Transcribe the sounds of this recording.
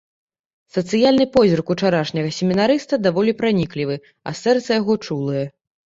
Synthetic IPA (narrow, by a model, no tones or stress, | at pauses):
sɐt̪sɨjalʲnɨpɔzʲirkut͡ʂaɾaʂnʲɐɣɐsʲemʲinaɾɨst̪ɐd̪avɔlʲipɾanʲiklʲivɨ | ɐ̰sɛrt̪sɐjaɣɔt͡ʂulˠɨjɛ